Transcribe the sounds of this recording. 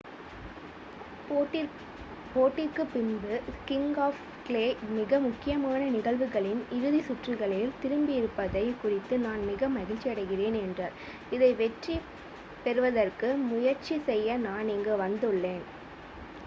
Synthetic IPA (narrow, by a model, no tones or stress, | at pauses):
poːʈːɪrkɯpːɪnbɯkɪŋɡaːf | kleːmɪɣɐmʊkːɪjɐmaːnɐnɪɣɐɭʋɯɣɐɭɪnɪɾɯðisʊʈrɯɣɐɭɪlt̪ɪɾɯmbɪɪɾɯpːɐðɐɪkʊrɪt̪ːɯnaːnmɪɣɐmɐɣɪlt͡ʃiɐɽɐɪɣɪreːnɛndrɐɾ | ɪðɐɪʋɛʈri | pɛɾɯʋɐðɐrkɯmʊjɐɾt͡ʃisɛjːɐnaːnɛŋɡeʋɐnd̪ɯɭːeːn